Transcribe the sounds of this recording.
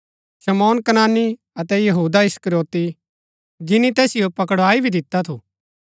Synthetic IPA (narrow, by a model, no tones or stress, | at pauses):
ʃɐmɔːnkɐnaːnːi | ɐt̪ɛjɐɦuːd̪aɪskəɾjoːt̪i | d͡ʒɪnit̪ɛːsɪjopɐkəɽaːibʱid̪ɪt̪ːat̪ʰuː